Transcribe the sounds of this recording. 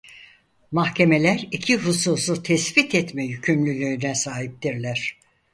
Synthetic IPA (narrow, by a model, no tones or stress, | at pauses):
mahcʰe̞me̞lʲæɾicʰiɦususut̪ʰɛsbit̪ʰɛt̪mɛjycʰymlʲylʲyynɛsaːɦip̚t̪iɾlʲæɾ̝̥